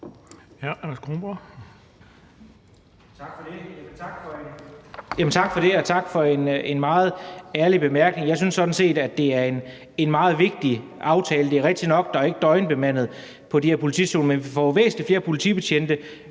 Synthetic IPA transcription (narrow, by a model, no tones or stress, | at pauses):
æænɐsɡ̥ʁomb̥ɐ | ɑ̈ɡ̥fɒd̥ejæmnt͡sʰɑɡ̥fɒejæmənt͡sʰɑ̈ɡ̥fɒ̽ɾe̝ɒ̽t͡sʰɑ̈ɡ̥fɒ̽e̝ne̝nmɑ̈ːð̞̩ˠæɐlib̥e̝mæɐɡ̥ne̝ŋjɑ̈ɪsynsːɒ̽d̥n̩se̝̰ːd̥æd̥e̝æɐe̝n | e̝nmɑ̈ːð̞̩ˠʋe̝ɡ̥̚d̥i | ʔɑ̈ʊt͡sʰɛːləd̥e̝æɐʁɛɡ̥̚d̥inɒ̽ɡ̥̚d̥ɑ̈æɐe̝ɡ̥əd̥ɒ̽ɪnb̥e̝mæn̰ð̩ˠ | pʰɒ̽dihæɐpʰo̝lit͡sʰḭso̝̰ːnmenfɒʋḛːsn̩ifle̝ːɐpʰo̝lit͡sʰḭb̥eɕʰen̰d̥ə